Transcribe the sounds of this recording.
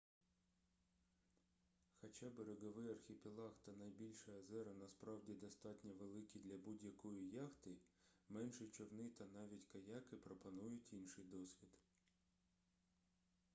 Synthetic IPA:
xɐt͡ʃɑbeɾeɡɔʋɪjɐrxʲipʲilˠɑxt̪ɐnɐjbʲilʲʃɐɐzɛɾɐnɐspɾɑwdʲid̪ɔst̪ɑtʲnʲɐʋelˠɪkʲid̪lʲɐbudʲjɐkɔjijɑxt̪ɪmɛnʃɪt͡ʃɔwnɪt̪ɐnɑʋʲitʲkɐjɑkɪpɾɔpɐnujʊtʲinʃɪjd̪ɔsʲʋʲid̪

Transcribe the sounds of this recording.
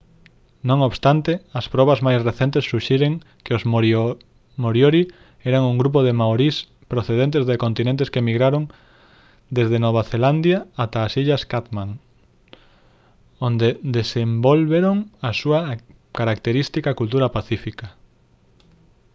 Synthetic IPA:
nõŋoβst̪ant̪eɐspɾɔβazmajsreθent̪esːuʃeɾeŋ | kɪozo | moɾjoɾi | ɛɾaŋuŋɡɾup̬oðemaoɾis | pɾoθeðent̪̬ezðekont̪inẽnt̪eskemiɣɾaɾoŋ | d̪ezðenoβ̞aθeland̪jaːt̪aːsiʎɐskat̪mãŋ | ond̪ed̪esembolβeɾoŋasuɐ | kaɾak̚t̪eɾist̪ikɐkult̪̬uɾɐpaθifikɐ

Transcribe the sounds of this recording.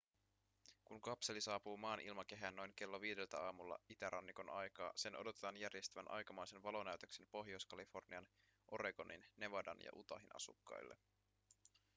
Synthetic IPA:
kunkɑpse̞lisɑːpuːmɑːnʔilmɑk̟e̞ɦæːnːo̞jŋke̞lːoʋiːde̞lt̪æɑːmulːɑ̰it̪æɾʔɑnːiko̞nɑjkɑ̰ːse̞nʔo̞̰do̞t̪et̪ɑnjærje̞st̪yʋænʔɑ̰jkɑmɑjse̞nʋɑlo̞næyt̪økse̞mpo̞ɦjo̞jskɑlifo̞rniɑn | ʔo̞ɾe̞ɡo̞nʔḭnːe̞ʋɑdɑ̰njɑ̰ʔut̪ɑɦinɑ̰sṵkːɑ̰jlːḛ

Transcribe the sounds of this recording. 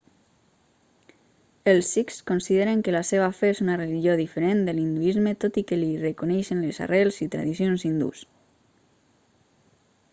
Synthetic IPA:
elˠsikskonsiðeɾeŋkəlaseβafeezunareliʒioðifeɾend̪əlind̪uizmet̪ot̪ikelirəkonɛjʃənleza̰rɛlˠzit̪ɾa̰ðisjonzind̪ṵs

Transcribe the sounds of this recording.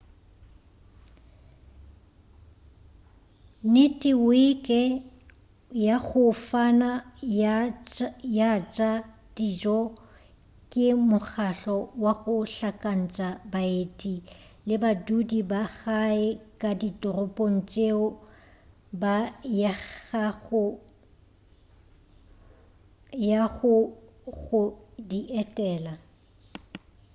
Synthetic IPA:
nɪtʼɪwiɪkʼɛ | jaɣʊfana | jat͡ʃʼa | d̥id͡ʒɔ | kʼɪmʊχaɬɔwaɣʊɬakʼan̩t͡ʃʼabaetʼilɪbadudibaɣaɪkʼaditʼʊrʊpʼon̩t͡ʃʼeʊ | bajaɣaɣʊ | jaɣʊ | ɣʊdiʔɛtʼɛːla

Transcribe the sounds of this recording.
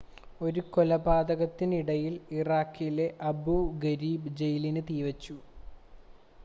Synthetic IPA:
o̞ɾuko̞lɐbaːd̪ɐɣɐt̪ːiniɽɐjiliraːkːijle̞ʔɐbuɡɐɾiːbd͡ʑejlinɨt̪iːʋɐt͡ɕːu

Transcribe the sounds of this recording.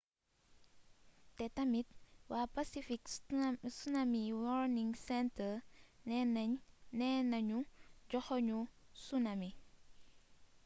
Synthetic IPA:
tɛtɐmit̚waːpasifiksunamiwɔɾniŋsɛntə | nɛnɐɲuɟɔxɔɲusunɐmi

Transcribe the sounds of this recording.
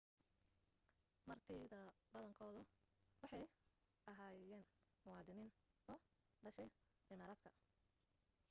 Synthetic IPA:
mɐrt̪ʰiːðɐbɐðɐŋkʰɔːðʊwɑħɑj | ʔɐɦaːjɛːnmʊwɑːd̪ɪniːn | ɔː | ɖɐʃɛj | ʕɪmaːɾaːd̪kʰɐ

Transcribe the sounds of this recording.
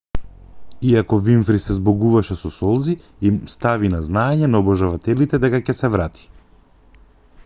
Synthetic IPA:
iakɔviɱfɾisɛzbɔɡuvaʃɛsɔsɔlˠzi | imst̪avinaznaɛɲɛnaɔbɔʒavat̪ɛlit̪ɛd̪ɛkacɛsɛvɾat̪ʰi̥

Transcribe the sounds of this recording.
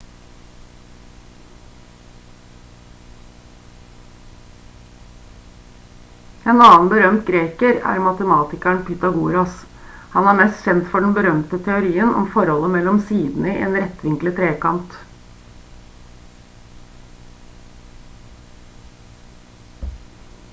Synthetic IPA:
eːnɑːnbəɾœmt̪̚ɡɾeːkəɾæ̰ɾmɑt̪əmɑːt̪ɪkæɳpʰiːt̪ɑɡuːɾɑs | hɑnæːɾmɛst̪çɛnt̪fɔɖn̩bəɾœmt̪ət̪ʰɛʊɾiːənʔɔ̰mfɔɾhɔlːəmɛlːɔmsiːd̪n̩əɪʔḛːnɾɛt̪ʋɪŋklət̪ʰɾeːkɑnt̪

